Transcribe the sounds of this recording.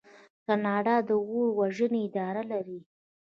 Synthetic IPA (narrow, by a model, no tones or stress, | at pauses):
kanɑɖɑd̪əɣoɾwaʒəneɪd̪ɑɾalaɾi